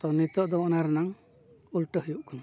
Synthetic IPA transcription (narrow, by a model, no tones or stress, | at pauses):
t̪ɔnit̪ɔʔd̪ɔɔnaɾnaŋ | ulʈəɦujuʔkʰɔn